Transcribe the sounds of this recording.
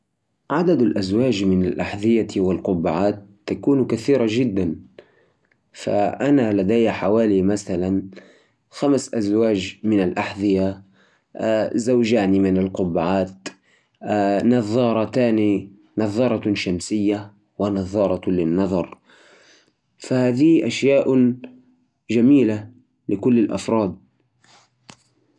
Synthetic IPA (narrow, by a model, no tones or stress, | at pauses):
ʕad̪ad̪alʔazwaːd͡ʒmɪnalʔaħðɪjawɪlqʊbːaʕaːt̪ːakuːnkaθiːɾaʒɪd̪ːan | fa̰ʔanalad̪ajħawaːlimaθalan | xamsʔazwaːd͡ʒmɪnalʔaħðɪja | zawd͡ʒaːnimɪnɪlqʊbːʕaːt̪ː | nɑðˤɑːɾˤɑt̪aːni | nɑðˤːɑɾˤɑʃamsɪjːa | wɪnɑðˤːɑːɾˤɑlɪnːɑðˤɑɾˤ | fahaːðiʔaʃjaːʔ | d͡ʒamiːla | lɪkʊlːɪlʔɑ̰fɾˤɑːd̪̚